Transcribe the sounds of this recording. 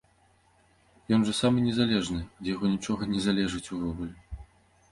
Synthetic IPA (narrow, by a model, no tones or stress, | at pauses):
jɔnʐɐsamɨnʲɛzalʲɛʐnɨd̪ʲjaɣɔnʲit͡ʂɔɣɐnʲɛzalʲɛʐɨt͡sʲuvɔɣulʲɛ